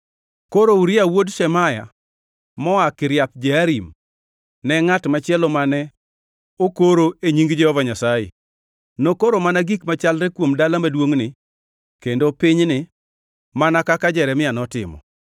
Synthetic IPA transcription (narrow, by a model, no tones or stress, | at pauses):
koɾouɾɪawodʃɛmaja̰ | mɔakɪɾjap̚d͡ʒɛaɾim | nɛŋatmat͡ʃɪɛlɔmanɛ | okoɾoeɲiŋɡd͡ʒɛhɔvaɲasajḛ | nokoɾomanaɡikmat͡ʃalɾɛkwomdalamadwoŋnɪ | kendopiɲnɪ | manakakad͡ʒɛɾɛmɪanɔtɪ̰mɔ̰